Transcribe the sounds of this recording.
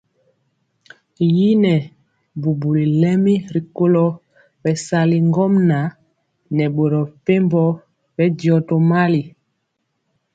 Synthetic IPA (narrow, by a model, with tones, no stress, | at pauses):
ji˦nɛ˨ | bu˨bu˨li˨lɛ˦mi˦ɾi˨ko˦lɔ˦ | bɛ˨sa˨li˨ŋɡɔ˦mna˨ | nɛ˨ɓo˨ɾɔ˨pe˦mbɔ˦ | bɛ˦djɔ˨to˨ma˦li˨